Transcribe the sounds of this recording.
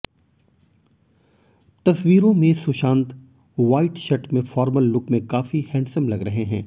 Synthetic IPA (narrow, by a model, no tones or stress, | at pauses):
t̪ɐswiːɾõmẽsʊʃãːnt̪ | ʋaːɪʈʃɐʈmẽfɔːɾməlːʊkmẽkaːfihɛ̃ːɳsəmlɐɡɾɐɦeɦɛ̰̃ː